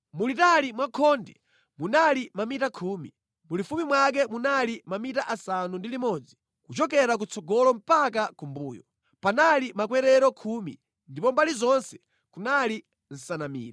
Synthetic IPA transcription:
mulitalimwakʰɔndɛ | munalimamitakʰuːmḭ | mulifumimwak̬ɛmunalimamitaʔasanundilimɔd͡zi | kut͡ʃɔk̬ɛɾak̬ut͡sʰɔɡɔlɔm̩pakakumbuːjɔ | panalimakwɛɾɛɾɔkʰumḭ | ndipɔmbalizɔnsɛ̥ | kunali | n̩sanamḭːɾa

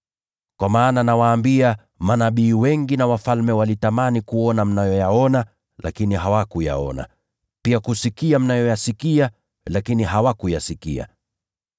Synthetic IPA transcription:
kwamaːnanawaːmbia | manaɓiːwɛŋɡinawafalmɛwalitamanikuɔnam̩najɔjaɔna | lʔa̰kiniɦawakuja̰ɔ̰na̰ | piakusikiam̩najɔjasikia | lakiniɦawakujasikḭa̰

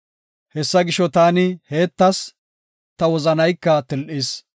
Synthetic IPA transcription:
hɛsːɐɡɪʃɔt̪aːnɪhe̞ːt̪ːɐs | t̪ɐwɔzɐnɐjkːɐt̪ɪlʔɪs

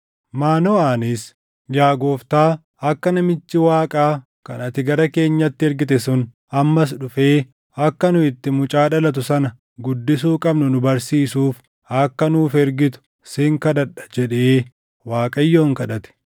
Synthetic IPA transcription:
maːnoaːnɪs | jaːɡoːft̪aː | ɐkːɐnɐmɪt͡ʃːɪwaːkʼaː | kɐnɐt̪ɪɡɐɾɐke̞ːɲːɐt̪ːɪɛɾɡɪt̪ɛsʊn | ɐmːɐs̬ᶑʊfe̞ː | ɐkːɐnʊɪt̪ːɪmʊt͡ʃʼaːᶑɐlɐt̪̬ʊsɐnɐ | ɡʊd̪ːɪs̬uːkʼɐbnʊnʊbɐɾsiːsuːf | ɐkːɐnuːfɛɾɡɪt̪ʊ̥ | sɪŋkɐd̪ɐᶑɐ̥d͡ʒɛᶑeː | waːkʼɐjːoːŋkɐᶑɐt̪ɛ̥

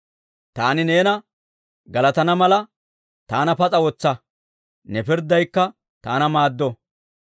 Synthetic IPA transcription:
t̪aːnɪne̞ːnɐ | ɡɐlɐt̪ɐnɐmɐlɐ | t̪aːnɐpɐt͡sʼɐwɔt͡sːɐ | nɛpɪɾd̪ːɐjkːɐ | t̪aːnɐmaːd̪ːɔ

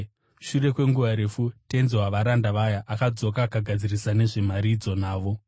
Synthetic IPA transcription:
ʃure̞kwe̞ŋɡuʋaɾe̞futenzewaʋaɾandaʋajaʔakad͡zo̞kaːkaɡʱad͡zirisane̞ʐe̞maɾid͡zo̞naːʋo̞

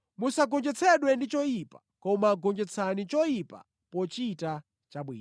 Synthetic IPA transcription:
musaɡɔnd͡ʒɛt͡sʰɛɗwɛndit͡ʃɔjipa | kɔmaɡɔnd͡ʒɛt͡sʰanit͡ʃɔjipa̰ | pɔt͡ʃita | t͡ʃaɓwḭːn

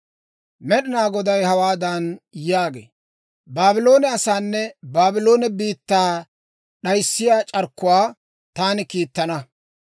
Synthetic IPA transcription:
mɛɗɪnaːɡɔd̪ɐjhɐwaːd̪ɐnjaːɡḛː | baːbɪlo̞ːnɛɐsaːnːɛbaːbɪlo̞ːnɛbiːt̪ːaː | ɗɐjsːɪjaːt͡ʃʼɐɾkːʊwaː | t̪aːnɪkiːt̪ːɐnɐ

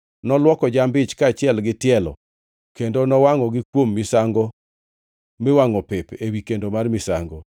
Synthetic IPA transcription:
nɔlwɔkɔd͡ʒambɪt͡ʃkaːt͡ʃɪɛlɡɪtɪɛlɔ̰ | kendonɔwaŋɔɡɪkwomːɪsaŋɡo | mewaŋɔpɪpewikendomarmɪsaŋɡo

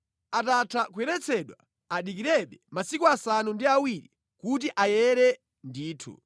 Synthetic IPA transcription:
atatʰakuɛɾɛt͡sʰɛɗwa | aɗik̬iɾɛɓɛmasikuasanundiawiɾḭ | kut̬iʔajɛɾɛ | ndiːtʰṵ

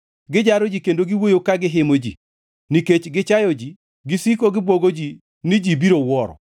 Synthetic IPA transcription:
ɡɪd͡ʒaɾɔd͡ʒikendoɡiwojokaɡɪɦɪmod͡ʒḭ | niket͡ʃɡɪt͡ʃajɔd͡ʒi | ɡɪsikoɡɪbwoɡod͡ʒi | nɪd͡ʒibiɾowɔɾɔ̰

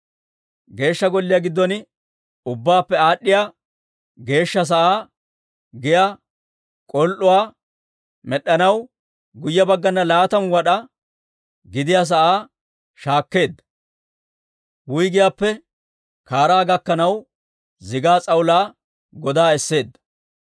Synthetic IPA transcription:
ɡe̞ːʃːɐɡɔlːɪjaːɡɪd̪ːɔn | ʊbːaːpːɛaːɗːɪjaː | ɡe̞ːʃːɐs̬ɐʔaː | ɡɪjaː | kʼɔlʔʊwaː | mɛɗːɐnɐw | ɡʊjːɐbɐɡːɐnːɐlaːt̪ɐmwɐɗɐ | ɡɪd̪ɪjaːs̬ɐʔaː | ʃaːkːe̞ːd̪ːɐ̥ | wʊjɡɪjaːpːɛ | kaːɾaːɡɐkːɐnɐw | zɪɡaːt͡sʼɐwʊlaː | ɡɔd̪aːɛsːe̞ːd̪ːɐ̥

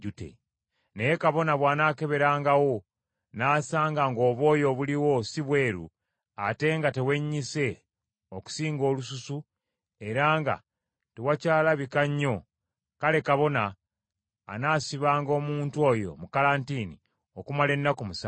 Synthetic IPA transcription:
ɟutḛ | ne̞je̞kaβo̞naβwaːnaːke̞βe̞ɾaːŋɡawo̞ | naːsaːŋɡaŋɡo̞ːβo̞ːjo̞βuliwo̞siβwe̞ːɾṵ | ate̞ːŋɡate̞we̞ɲːise̞ | oku̥siːŋɡo̞ːlususu | e̞ɾaːŋɡa̰ | te̞wacaːlaβikaɲːo̞ | kale̞kaβo̞na̰ː | naːsiβaːŋɡo̞ːmuːntwo̞jo̞̰mukalaːntini | okumale̞nːakumusa

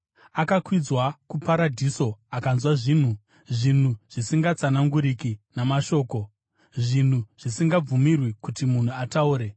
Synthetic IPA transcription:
akakwid͡zwakupaɾadʱiso̞akanzwaʐiːn̤u | ʐin̤uʐ̥isiŋɡat͡sanaŋɡuɾikinamaʃo̞ːko̞ | ʐin̤uʐ̥isiŋɡab͡vumirwikutimun̤uatauːɾe̞

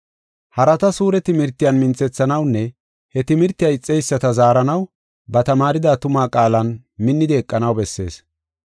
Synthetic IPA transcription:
hɐɾɐt̪ɐsuːɾɛt̪ɪmɪɾt̪ːɪjɐnmɪnt͡sːɛt͡sːɐnɐwnːɛ | hɛt̪ɪmɪɾt̪ːɪjɐɪt͡sʼːɛjsːɐt̪ɐzaːɾɐnɐw | bɐt̪ɐmaːɾɪd̪aːt̪ʊmaːkʼaːlɐn | mɪnːɪd̪ɪɛkʼːɐnɐwbɛsːe̞̰ːs

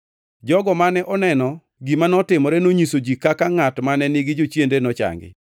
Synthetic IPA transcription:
d͡ʒɔɡɔmanɛʔɔnɛnɔ | ɡimanɔtɪmɔɾɛnoɲisod͡ʒikakaŋatmanɛnɪɡɪd͡ʒot͡ʃjendenɔt͡ʃa̰ŋɡɪ̰

